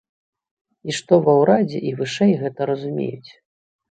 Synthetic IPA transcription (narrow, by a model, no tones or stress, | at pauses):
iʂt̪ɔvɐwɾad͡zʲɛ̰ʔivɨʂɛjɣɛt̪ɐɾɐzumʲḛjut͡sʲ